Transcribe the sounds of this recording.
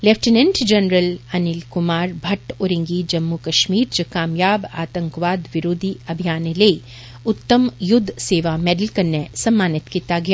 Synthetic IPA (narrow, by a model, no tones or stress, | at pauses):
lɛfʰʈɪnɛ̃ɳʈd͡ʒɐnɾəlɐnɪlkʊmaːɾbʱɐʈoːɾɪ̃ŋɡid͡ʒɐmːukɐʃmiːɾd͡ʒɐkaːmjaːba̰ːt̪ə̃ŋkʋaːd̪ʋɪɾoːd̪ʱiɐbʱijaːnelei | ʊt̪ːəmjʊd̪ʱːseːʋamɛːɖəlkɐɾnːesɐmːaːnɪt̪kit̪aɡɐjaː